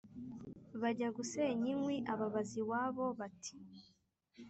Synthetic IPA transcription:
βaɟaɡuseɲiŋwiʔaβaβaziwaːβo̞βati̥

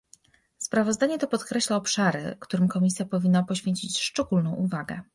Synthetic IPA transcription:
spɾavɔzd̪aɲɛt̪ɔpɔt̪kɾɛɕlaɔpʂaɾɘ̰kt̪uɾɘmkɔmʲisʲjapɔvʲinːapɔɕfʲjeɲt͡ɕit͡ɕʂt͡ʂɛɡulnɔ̃w̃uvaɡɛ̰

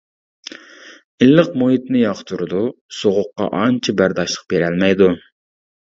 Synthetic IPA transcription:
ilːɨq̚moɦit̪nɪjɑqt̪ʰuɾɨd̪usoʁʊqːɑ̰ʔɑnt͡ʃʰibæɾd̪ɑʃlˠəq̚beɾɛlmɛjd̪u

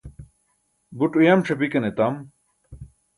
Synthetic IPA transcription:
buʈujamʈ͡ʂʰɐbikɐnet̪am

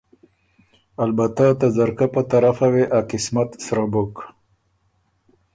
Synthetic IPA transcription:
albat̪at̪azaɾkapət̪aɾafaweʔakɪsmat̪sɾabok

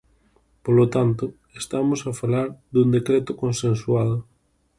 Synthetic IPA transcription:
polot̪ant̪ʊ | est̪amosafalaɾðund̪ekɾɛt̪ʊkonsẽnswaðʊ

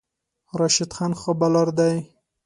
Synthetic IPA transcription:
ɾɑʃɪd̪xɑnxobalɑɾd̪aj

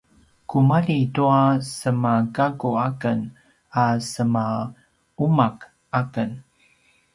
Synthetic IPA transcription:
kumalituasəmakaɡuakən | asəma | umak | akən

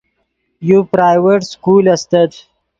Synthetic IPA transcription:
jupɾaːjʋeʈskuːlɐst̪ɐd̪

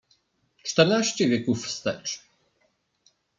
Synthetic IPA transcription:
t͡ʂt̪ɛɾnaɕt͡ɕɛvʲjɛkufst̪ɛ̰t͡ʂ

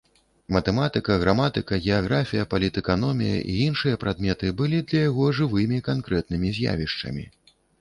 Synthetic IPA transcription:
mɐt̪ɛmat̪ɨkɐɣɾamat̪ɨkɐɣʲɛaɣɾafʲijɐpɐlʲit̪ɛkanɔmʲḭjɐ̰ʔiinʂɨjɐpɾad̪mʲɛt̪ɨbɨlʲid̪lʲɐjaɣɔʐɨvɨmʲikankɾɛt̪̚nɨmʲizʲja̰vʲiʂt͡ʂɐ̰mʲḭ

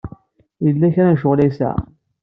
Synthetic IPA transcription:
jəlːæçɾænʃoʁlæjsa̰

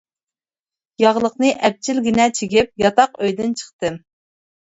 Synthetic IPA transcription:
jɑʁlˠəqnɨʔɛp̚t͡ʃʰilɡʲinɛt͡ʃʰeɡʲip̚jɑt̪ɑqøjd̪ɪnt͡ʃʰə̥χt̪ɨm

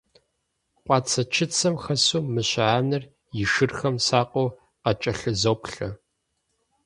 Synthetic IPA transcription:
qʷʼɑːt͡sʰɐt͡ʃʰɪt͡sʰɐmxɐsuːmɨɕʕaːnɨr | jɪʃɨrxɐmsaːqʷʼo | qɐt͡ʃʼɐɬɨzowpɬɐ

